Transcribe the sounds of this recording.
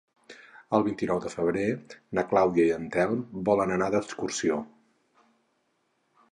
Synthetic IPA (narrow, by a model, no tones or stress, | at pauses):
əlˠβint̪inɔwðəfəβ̞ɾenəklawðiəiənt̪ɛlˠbɔlənənaðəkskursio